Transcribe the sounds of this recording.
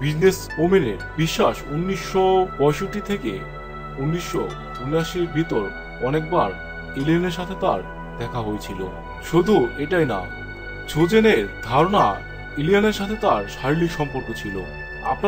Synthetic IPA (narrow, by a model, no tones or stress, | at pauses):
bid͡ʑnes | omineɾbiʃːaʃunːiʃːɔbɔjʃoʈit̪ʰekḛ | unːiʃːɔ̰ | d̪ʱunaʃiɾbʱit̪oɾ | ɔnek̚baɾ | elianeɾʃat̪ʰet̪aɾ | d̪̥ɛkʰaɦoet͡ɕʰilo̰ | ʃod̪ʱueʈajna̰ | d͡ʑʰod͡ʑened̪ʱaɾona | elijaneɾʃat̪ʰet̪aɾʃaɾilikʃɔmpoɾkot͡ɕʰilo̰ | a̰pna